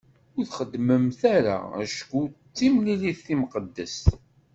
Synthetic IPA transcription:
ʊɾθχəd̪ːməmθæɾa̰æ̰ʃkʷut͡sːimliliθːimqəd̪ːəs

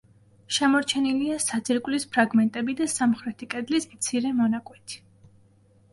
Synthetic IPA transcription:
ʃɛmɔɾt͡ʃʰɛniliasad̪siɾkʼwlispʰɾaɡmɛnt̪ʼɛbid̪asamχɾɛt̪ʰikʼɛd̪lismt̪sʰiɾɛmɔnakʼwɛt̪ʰi̥

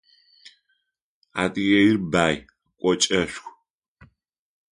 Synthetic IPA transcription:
a̰tʼijɛjirbaːj | kʷʼɔt͡ʃʼɐɕʷxʷ

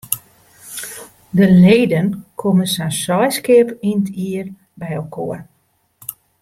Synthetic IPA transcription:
dəleːdənkʰoməsansɔjskɪpintʰiər | bɛjəlˠkʰoːər

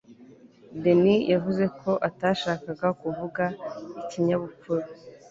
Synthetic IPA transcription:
denijʔavuze̞kʰo̞ʔataʃaːkaɡakuvuɡaiciɲaβup͡fuɾu

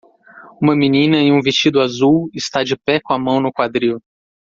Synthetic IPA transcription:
ũmɐminĩnɐeũvest͡ʃid̪ʊazuwɪst̪ad͡ʒɪpɛkõamɐ̃w̃nʊkwad̪ɾiʊ

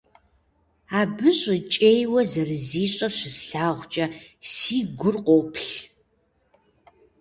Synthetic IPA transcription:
aːbɨɕʼɪt͡ʃʼeːjwɐzɐrɨziːɕʼɐɕɪsɬaːʁʷt͡ʃʼɐsiːɡʷʊrqʷoːpʰɬ

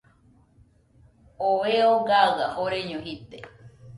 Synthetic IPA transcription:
oβeoɡaahoɾeɲõɦit̪e

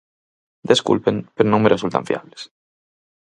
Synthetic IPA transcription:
d̪eskṵlpeŋpeɾonõŋmerʔesult̪ã̰ɱfia̰βles

